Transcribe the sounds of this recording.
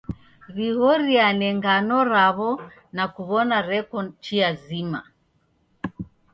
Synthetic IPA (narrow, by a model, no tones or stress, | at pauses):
βihɔɾianɛŋɡanɔɾaβɔ | nakuβɔnaɾɛkɔnt͡ʃiazima̰